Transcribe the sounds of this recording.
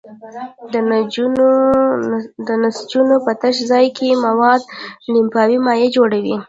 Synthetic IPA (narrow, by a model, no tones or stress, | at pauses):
d̪ | d̪ənasd͡ʒunopət̪əʃ̬zɑjkʰemawɑd̪̚nimpɑwimɑjed͡ʒoɽawi